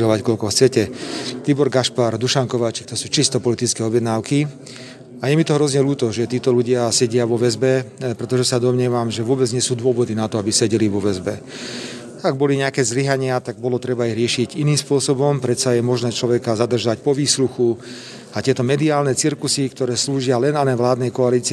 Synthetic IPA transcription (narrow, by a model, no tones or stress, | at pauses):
lɔʋackɔlkɔxt͡sɛcɛt̪ibɔɾɡaʃpaɾd̪uʃaŋkɔʋaːt͡ʃi̥k̚t̪ɔsuːt͡ʃist̪ɔpɔlit̪it͡skɛːɔbjɛd̪naːʊki | ajɛmit̪ɔɦɾɔzɲɛluːt̪ɔʒɛt̪iːt̪ɔluɟɪasɛɟɪaʋɔʋɛzbɛpɾɛt̪ɔʒɛsad̪ɔmɲɛʋamʒɛʋʊɔbɛd͡zɲɪɛsuːd̪ʊɔʋɔd̪inat̪ɔabisɛɟɛliʋɔʋɛzbɛ | aɡ̚bɔliɲɛakɛːzliɦaɲɪat̪aɡ̚bɔlɔt̪ɾɛbaiɦɾɪɛʃiɟiniːmspʊɔsɔbɔmpɾɛt̪t͡sajɛmɔʒnɛːt͡ʃlɔʋɛkazad̪r̩ʒacpɔʋiːsɾuxu | at̪ɪɛt̪ɔmɛd̪iaːlnɛt͡siɾkusikt̪ɔɾɛːsluːʒɪalɛnanɛʋlaːd̪nɛjkɔaliːt͡si